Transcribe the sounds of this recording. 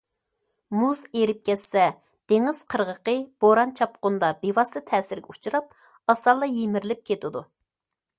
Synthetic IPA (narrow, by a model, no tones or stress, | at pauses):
muzeɾɪp̚kʲɛsːɛ | d̪̥eŋɪz̥qʰəɾʁəqəb̥oɾɑnt͡ʃʰɑp̚qʊnd̪ɑbewɑst̪ɨt̪ʰɛːsɪɾɡʲɛut͡ʃʰuɾɑp̚ | ɑsɑlˠːɑjemɪɾlɪp̚kʲʰet̪ʰɪd̪u